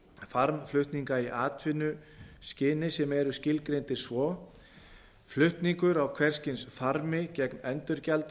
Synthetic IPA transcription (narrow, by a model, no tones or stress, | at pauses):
faɾmflʏht̪niŋkaiʔaːt̪ʰvɪnːʏscɪːnɪsɛmɛɾʏscɪlkɾejnt̪ɪ̥svɔː | flʏht̪niŋkʏɾawkʰvɛɾ̥scɪnsfaɾmɪcɛknɛnt̪ʏɾcalt̪